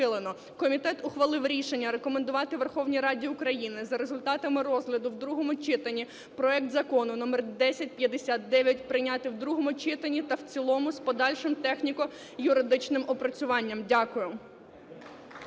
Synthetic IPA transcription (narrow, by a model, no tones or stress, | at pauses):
ɪlˠenɔ | kɔmʲit̪ɛt̪ʊxʋɐlˠɪwɾʲiʃenʲːɐɾekɔmend̪ʊʋɑt̪ɪʋerxɔwnʲijɾɑdʲiʊkɾɐjinɪzɐɾezʊlʲt̪ɑt̪ɐmɪrɔzɦlʲɐd̪ʊwd̪ɾuɦɔmʊt͡ʃɪt̪ɐnʲi | pɾɔɛk̚t̪zɐkɔnʊnɔmɛrd̪ɛsʲɐt̚ʲpʲjɐd̪esʲat̪̚ːɛʋʲjɐt̚ʲpɾɪnʲɑt̪ɪwd̪ɾuɦɔmʊt͡ʃɪt̪ɐnʲit̪ɐwt͡sʲilˠɔmʊspɔd̪ɑlʲʃɪmt̪ɛxnʲikɔ | jʊɾɪd̪ɪt͡ʃnɪmɔpɾɔt͡sʲʊʋɑnʲːɐmdʲakʊjʊ